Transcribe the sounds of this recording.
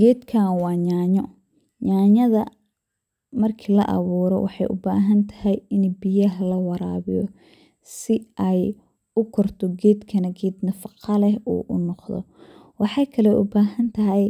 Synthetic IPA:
ɡɛːd̪kʰaːnwɑːɲaːɲɔ | ɲaːɲɐðɐ | mɐrkʰiːlɐ̰ʔɑ̰βuːɾɔ̰wɑ̰ħɑ̰jʔʊ̰ba̰ːɦɐnt̪ʰɐ̥hɛjɪnbɪjɐɦlɐwɑɾa̰ːβijɔ | sɪʔɛj | ʊkʰɔrt̪ʰɔɡɛːd̪kʰɐnɐɡɛːd̪nɐfɑqɑlɛɦṵːʔʊ̰nɔqðɔ̰ | wɑħɑjkʰɐlɛʔʊ̰baːɦɐnt̪ʰɐɦɛj

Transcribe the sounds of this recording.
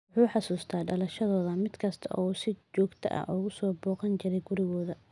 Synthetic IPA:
wʊħuːħɑsuːst̪ʰaːɖɐlɐʃɐðɔːðɐmɪd̪kʰɐst̪ʰɐ̰ʔɔːsɪt͡ʃɔːɡt̪ʰɐ̰ʔɐ̰ʔɔɣʊsɔːbɔːqɐnt͡ʃɪɾɛjɡʊɾɪɣɔːðɐ

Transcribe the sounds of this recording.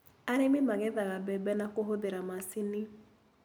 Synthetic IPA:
aɾememaɣɛðaɣabɛbɛnakoɦoðeɾamasini

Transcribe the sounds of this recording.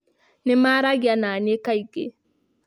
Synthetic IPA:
nimaɾaɡananekajke

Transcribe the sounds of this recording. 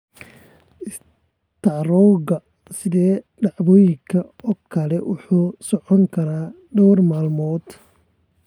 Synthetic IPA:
ɪs | t̪ʰɑɾɔɣɐ | sɪðɛː | ɖɑʕβɔːjɪŋkʰɐɔkʰɐlɛwʊħuːsɔʕɔŋkʰɐɾaː | ɖɔwrmaːlmɔːd̪

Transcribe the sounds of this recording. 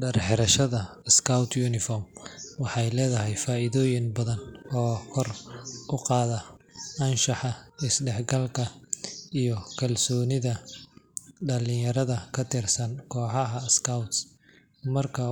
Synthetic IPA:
ɖɐrħɛɾɐʃɐðɐ | skʰɐwt̪ʰjunɪfɔːrmwɑħɑjlɛːðɐɦɛjfaːʔɪðɔːjɪŋbɐðɐnɔːkʰɔrʊqɑːðɐɐnʃɑħɑɪsɖɛħɡɐlkʰɐijɔkʰɐlsɔːnɪðɐ | ɖɐlɪjɐɾɐðɐkʰɐt̪ʰɪrsɐnkʰɔːħɑɦɐskʰɐwt̪s | mɐrkʰɐ

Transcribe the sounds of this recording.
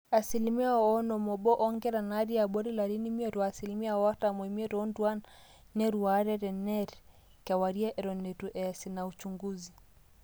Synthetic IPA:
asilimiaɔnɔmɔɓɔʔɔŋɡɛɾanaɾiaɓɔɾilaɾinimiɔɾwaːsilimiaɔatamwɛmiɛɾɔndwan | nɛɾuwaɾɛɾɛnɛɾ | kawaɾiaʔɛɾɔnɛɾuʔɛsinaut͡ʃuŋɡuzi

